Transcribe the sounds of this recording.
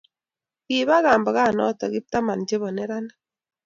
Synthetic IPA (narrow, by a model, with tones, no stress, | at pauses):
ɪ˨βa˦ɣa˨mba˨ɣa˦˨nɔ̰˦˨tɔ˨ɣɪ˦p̚ta˦ma˨nd͡ʒe˦βɔ˨nɛ˦ɾa˦na˦